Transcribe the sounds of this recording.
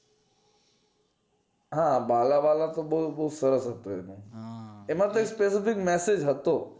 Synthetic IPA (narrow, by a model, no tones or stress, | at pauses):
ɦãbalabalat̪obəut̪̚bəɦusəɾəsɦət̪oenũ | emãt̪oekspesɪfɪkmɛsed͡ʒɦət̪o